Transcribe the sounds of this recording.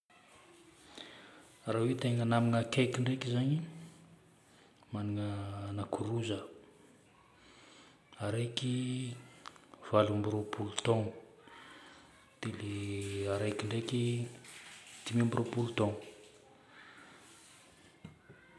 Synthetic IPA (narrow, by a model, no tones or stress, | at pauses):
rawet̪eŋənamiŋəkejkiɳɖ͡ʐekizaɲi | maniŋəːnakʰuɾuzə | aɾejki | v̥alambiɾopʰulut̪ɔ̃ŋ | d̪̥eleaɾejkiɳɖ͡ʐeki | t̪imiambiɾʔopulut̪ɔ̃ŋ